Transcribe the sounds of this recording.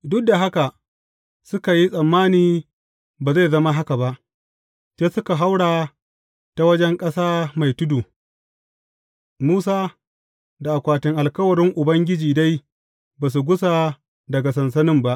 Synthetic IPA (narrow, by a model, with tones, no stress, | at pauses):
dʊ˦k̚da˨ɦa˦ka˨ | sʊ˦ka˨ji˦sʼɐ˨mːaː˦niː˨ | baː˨za˦˨zɐ˦ma˦ɦa˦ka˨ba˦ʔ | t͡ʃeː˦sʊ˦ka˨ɦa˦wɽaː˨ | ta˨wɐ˦d͡ʒɛ˦ŋkʼɐ˦saː˦ma˨jtʊ˦duː˨ | muː˦s̬aː˦ | da˨ʔa˨kʷaː˨tɪ˨ŋʔa˨lkɐ˦wɐ˨ɾɪ˦ŋʔʊ˨bɐ˦ŋɡʲɪ˦d͡ʒiː˨da˦j | baː˨s̬u˨ɡʷʊ˦sa˨ | dɐ˨ɡa˨sɐ˨nsɐ˦nɪ˦mba˦ʔ